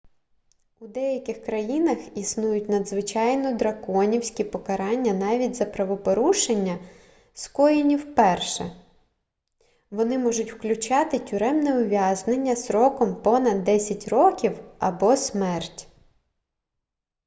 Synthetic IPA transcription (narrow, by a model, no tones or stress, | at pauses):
ud̪ɛjɐkʲɪxkɾɐjinɐxisnujʊtʲnɐd̪zʋɪt͡ʃɑjnɔd̪ɾɐkɔnʲiwsʲkʲipɔkɐɾɑnʲːɐnɑʋʲidʲzɐpɾɐʋɔpɔɾuʃenʲːɐ | skɔjinʲiwpɛrʃɛ̰ | ʋɔnɪmɔʒʊtʲwklʲʊt͡ʃɑt̪ɪtʲʊɾɛmnɛʊʋʲjɑznenʲːɐsɾɔkɔmpɔnɐd̪ːɛsʲɐtʲrɔkʲiwɐbɔsmɛrtʲ